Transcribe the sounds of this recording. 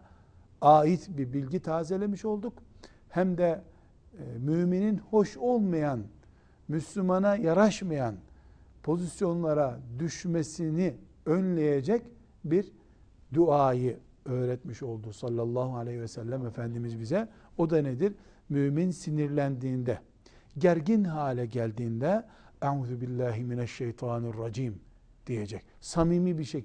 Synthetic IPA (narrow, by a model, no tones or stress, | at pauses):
aːjit̪ʰbibilʲɟit̪ʰaːzelʲemiʃo̞lˠd̪uk | hæmd̪ɛ | myːmininho̞ʃo̞lˠmajan | myslʲymanajaɾaʃmajanpʰo̞zisjo̞nlˠaɾad̪yʃmesini | ønlʲe̞jed͡ʒɛc | biɾ | d̪uaːjɯ | øːɾɛt̪miʃo̞lˠd̪usɑlʲːalˠːɑːɦualʲehivɛsælʲːæmefænd̪imizbizɛ | o̞d̪aned̪iɾ | myːminsiniɾlʲænd̪iːnd̪ɛ | ɟæɾɟinɦaːlʲɛɟælʲd̪iːnd̪ɛ | aʕuːðubilːaːɦiminæʃːejt̪ʰɑːnarːɑd͡ʒiːm | d̪̥ijed͡ʒɛc̚ | samiːmibiʃe